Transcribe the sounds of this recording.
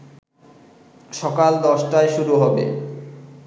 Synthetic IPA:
ʃɔkald̪ɔʃʈaeʃuɾuɦɔbḛ

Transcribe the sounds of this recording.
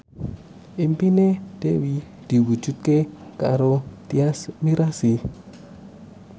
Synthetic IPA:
ʔimpined̪̥ḛwi | d̪̥i̤wu̥ʒ̥ṳt̪̚kekaɾot̪iasmiɾasi

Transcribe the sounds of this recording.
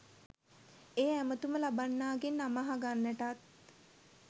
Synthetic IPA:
eːæmət̪uməlabanːaːɡenːamaɦaɡanːæʈat̪̚

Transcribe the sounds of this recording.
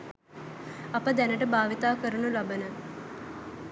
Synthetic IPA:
ɐpəd̪ænəʈəbaːʋit̪aːkəɾunulabənə

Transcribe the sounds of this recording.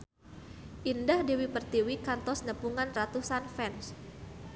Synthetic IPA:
ʔindahdewipərt̪iwikant̪ɔsnəpuŋanrat̪usanfɛns

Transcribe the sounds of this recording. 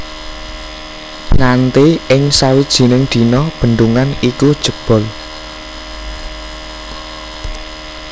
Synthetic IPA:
nant̪iɪŋsawid̥ʒ̥i̤nɪŋd̪̥i̤nɔb̥ə̤nd̪uŋanikud̥ʒ̥ə̤b̥ɔ̤l

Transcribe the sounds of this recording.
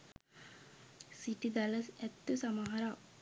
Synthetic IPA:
siʈid̪aləsæt̪ːusamaɦɐɾaː

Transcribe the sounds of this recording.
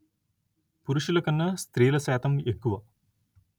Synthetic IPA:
puɾuʂilɐkɐnːɐst̪ɾiːlɐsɛːt̪ɐmekːuʋɐ

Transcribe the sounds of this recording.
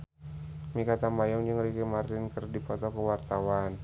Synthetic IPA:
mikat̪ambajɔŋd͡ʒəŋrikimart̪ɪnkərdipɔt̪ɔkəwart̪awan

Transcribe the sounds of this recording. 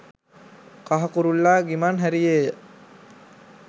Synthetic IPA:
kaɦakuɾulːaːɡimanɦæɾijejə

